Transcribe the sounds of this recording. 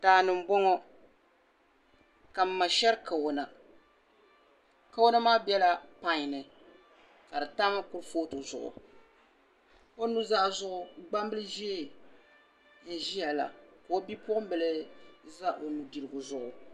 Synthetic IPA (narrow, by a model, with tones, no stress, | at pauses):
taː˨nɨ˨m̩˦bɔ˦ŋɔ˦ | ka˨m̩˨mːa˨ʃɛ˦ɾka˨wo˨˦na˨ | ka˦wo˦na˦maː˦bɛ˦la˨pa˨ɲ˨nɨ˨ | ka˨dɨ˨ta˦ma˦kʊ˦ɾfoː˦tʊ˨zʊ̰˨ʔʊ̰˨ | o˦nu˦za˦˨zʊ˦ʔʊ˨ɡ͡ba˦mbɨ˦lɨ˦ʒi˦e˦ | n̩˨ʒi˦ja˨la̰˨ka˨o˦bi˦pʊ˦ʊ˦m˦bɨ˨lɨ˦za˦ʔo˨nu˨di˨lɨ˨ɡʊ˨zʊ˨ʔʊ˨